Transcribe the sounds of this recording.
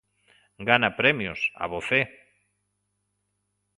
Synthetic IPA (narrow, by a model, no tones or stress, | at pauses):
ɡanapɾɛmjʊ̰sa̰βoθe